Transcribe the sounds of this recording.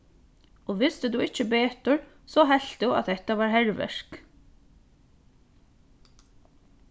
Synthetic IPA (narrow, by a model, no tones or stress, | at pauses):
ɔʋɪst̪ɪt̪uɪt͡ʃəbeːt̪ʊɹ | sɔɦɛlt̪ɪua̰ðθɛht̪aʋaːɹɦɛɹʋɛ̰ʂk